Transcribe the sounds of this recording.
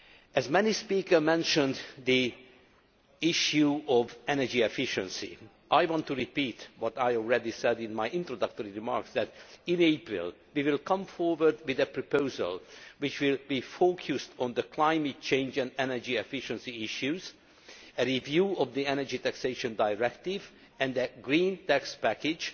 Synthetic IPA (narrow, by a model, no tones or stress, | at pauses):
ʔɛzmɛnispiːkə˞mɛ̃nʃə̃nd̪d̪i | ɪʃjuɔvɛnɛɹd͡ʒiɛfɪʃɛ̃nsḭ | ʔajwɔ̃nt̪ːuɹipiːt̪wɔt̪ajɔlˠɹɛd̪isɛd̪ɪ̃nmajɪ̃nt̪ɾod̪ʌk̚t̪ɔɹiɹimɑ̰ɹksd̪ɛt̪ĩneɪpɹɪ̰l | wiwɪlkʌ̃mfɔɹwəɹd̪wɪðɛpɹopoʊzə̰lwɪt͡ʃwɪlbifokʰjust̪ɔ̃nd̪əklãjmɛt̚t͡ʃẽɪ̃nd͡ʒɛ̃nd̪ɛnɛɹd͡ʒiɛfɪʃɛ̃nsiɪʃjuz | əɾivjuːɔvd̪iɛnɛɹd͡ʒit̪ækseʃə̃ndajɹɛkt̪iv | ɛ̃nd̪əɡɹĩːnt̪ækspækɪd͡ʒ